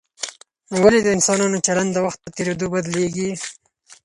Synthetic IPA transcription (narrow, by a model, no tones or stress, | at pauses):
walid̪əɪnsɑnɑnot͡ʃaland̪d̪əwaxt̪̚b̪ət̪eɾed̪obad̪leɡi